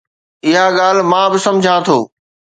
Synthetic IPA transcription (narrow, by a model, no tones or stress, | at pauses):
ɪɦaɠaːl̤mãːbɪsɐ̃md͡ʑʱãt̪ʰoː